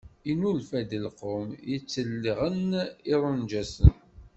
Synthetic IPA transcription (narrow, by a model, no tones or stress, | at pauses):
inulfæd̪ilqomjət͡sːəlːiʁəniɾˤənd͡ʒæsə̰n